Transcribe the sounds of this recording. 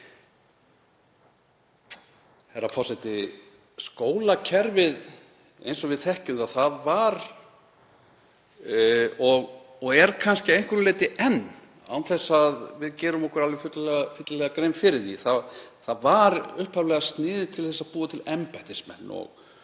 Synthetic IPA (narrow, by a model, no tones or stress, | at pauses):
hɛɾafɔrsɛjt̪ɪ | skoːwlacʰɛɾvɪð | ḛjnsɔvɪðθɛhcʏmθaθaðvaɾ | ɔɣ | ɔɣɛɾkʰanscɪejŋ̥kʏɾleːjt̪ɪʔɛnː | a̰wnθɛsːaðvɪðcɛːɾʏmɔhkʏɾalvɪfʏt̪llɛfʏt̪lalɛɣakɾejmfɪɾɪðiθaθaðvaɾʏhphavlɛɣast̪nɪːðɪt̪ʰɪlθɛsaðpuːat̪ʰɪlɛmpajt̪ɪsmɛ̰nːɔ̰ɣ